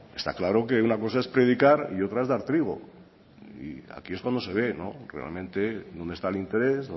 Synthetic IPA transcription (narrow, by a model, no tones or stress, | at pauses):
est̪a̰klaɾo̞ke̞unako̞s̬ae̞spɾe̞ð̞ikaɾio̞t̪ɾaezðaɾt̪ɾiɣ̞o̞̰ | ḭa̰kieskwand̪o̞seβ̞e̞no̞̰re̞̰a̰lmẽ̞nt̪e̞ðond̪est̪alint̪e̞ɾe̞zo